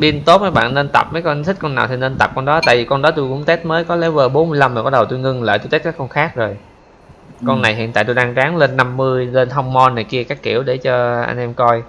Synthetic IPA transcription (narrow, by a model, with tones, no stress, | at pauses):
ɓi˧ənt̪o˦˥t̚maː˨˦jɓa̰ː˧˨nːe˧nt̪a̰˨˩p̚məː˨˦jkɔ˧nt̪ʰï˦˥k̟̚kɔ˧nːaː˨˩wt̪ʰi˨˩ne˧nt̪a˨˩p̚kɔ˧nɗɔ˨˦t̪a̰ː˧˨jvi˨˩kɔ˧nɗɔ˨˦t̪u˧jkʊ̰˧˥ŋ͡mt̪e˦˥t̚məː˨˦jkɔ˨˦lɛ˧˩˥vəː˨˩ɓo˨˦nmɨ˧əjla˧mːaː˨˩kɔ˦˥ɗə˨˩wt̪u˧jŋɨ˧ŋlə̰ː˧˨t̪u˧jt̪e˦˥t̚kaː˦˥kɔ˧nxaː˦˥k̚zo˨˩j | kɔ˧nːa˨˩jhɦḭ˧˨nt̪aː˧˨t̪u˧jɗaː˧ŋzaː˨˦ŋle˧nːa˧mːɨ˧əjle˧nhɔ˧wŋ͡mmɔ˧nːa˨˩jki˧əkaː˦˥kːḭ˧˩əwɗe˧˩t͡ɕɔ˧ʔa̰˧ŋ̟ʔɛ˧mkɔ˧j